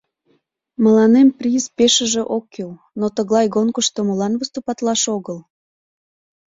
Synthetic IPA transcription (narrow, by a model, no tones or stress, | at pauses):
məlɑnemprʲizpeʃəʒĕʔokːil | not̪əɣlɑjɣonkəʃt̪oməlɑnβəst̪upɑt̪lɑʃoɣəl